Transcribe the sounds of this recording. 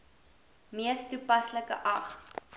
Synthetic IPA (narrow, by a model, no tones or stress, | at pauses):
miəstupɐsləkə̰ʔɐχ